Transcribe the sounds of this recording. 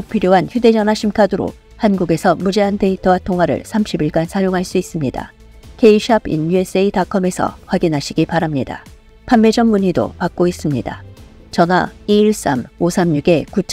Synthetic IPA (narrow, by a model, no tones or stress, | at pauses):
k̚pʰiɾjoɦançjude̞d͡ʑʌnaɕʰimkʰadɯɾo̰ | hanɡuɡe̞sʰʌmud͡ʑe̞ɦante̞itʰʌwatʰoŋɦwaɾɯ̰ɭsʰamɕʰibiɭɡansʰajoŋɦaɭs͈uis͈ɯmɲida̰ | ke̞iɕʰabḭnjue̞s͈e̞itakʰʌme̞sʰʌ̰ɸwaɡinɦaɕʰiɡipaɾamɲida̰ | pʰanme̞d͡ʑʌmmuɲido̰pak̚k͈ois͈ɯmɲida̰ | t͡ɕʌnaiːɭs͈a̰mosʰamɲuɡe̞kut͡ɕʰ